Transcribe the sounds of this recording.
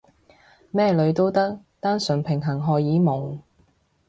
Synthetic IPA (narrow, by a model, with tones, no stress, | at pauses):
mɛː˥˧lɵ˨˧ɥt̪o˥wt̪ɐ˥k̚ | t̪aː˥nsɵ˨˩npʰɪ˨˩ŋɦɐ˨˩ŋɦɔː˨jiː˨˥mʊ˨˩ŋ